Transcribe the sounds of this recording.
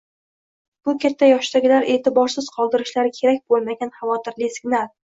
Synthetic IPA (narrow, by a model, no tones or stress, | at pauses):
b̥ʊkʲʰat̪ʰːajɒʃd̪aɡʲɪlaɾe̞t̪ʰɪbɒɾsɪz̥qʰɒlˠd̪ɪɾɪʃlaɾɪkʲʰe̞ɾakʲbolˠmaɡʲanχɑvɒt̪ʰɪɾlɪsɪɡʲnal